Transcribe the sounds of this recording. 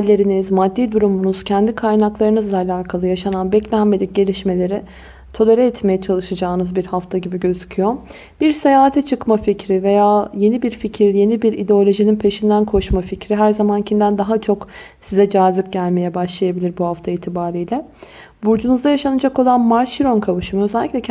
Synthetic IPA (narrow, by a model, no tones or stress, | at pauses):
lʲːe̞ɾinizmad̪ːiːd̪uɾumunuz̥cʰɛnd̪ikʰajnaklˠaɾɯnɯzlˠaːlʲaːkʰalˠɯjaʃananbɛclʲænme̞d̪ʲic̚ɟe̞lʲiʃme̞lʲe̞ɾɪ | t̪ʰo̞laɾʲɛɛt̪me̞jɛt͡ʃʰalˠɯʃad͡ʒaːɯnɯzbiɾhaft̪ʰaɟibiɟø̞zycʰyjo̞ | b̥iɾse̞jaːɦat̪ʰɛt͡ʃʰɯkmaficɾive̞jaːje̞nibiɾficʰiɾje̞nibiɾid̪eo̞lʲo̞ʒininpʰe̞ʃind̪ænkʰo̞ʃmaficɾiɦæɾzamancʰimd̪ænd̪aɦat͡ʃʰo̞ksizɛd͡ʒaːzlˠɯk̚ɟælʲme̞jɛbaʃlˠajabilʲiɾbuɦaft̪ʰaiːt̪ʰibaːɾijlʲɛ | buɾd͡ʒunuzd̪ajaʃanad͡ʒako̞lˠanmaɾʃiɾo̞nkʰavɯʃɯmaøzɛlʲːicʲlʲɛcʰ